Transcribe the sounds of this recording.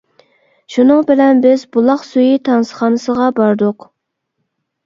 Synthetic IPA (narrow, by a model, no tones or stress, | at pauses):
ʃunɨŋbɪlɛnbɪzbulˠɑχsujit̪ʰɑnsə̥χɑnɨsəʁɑbɑɾd̪ʊq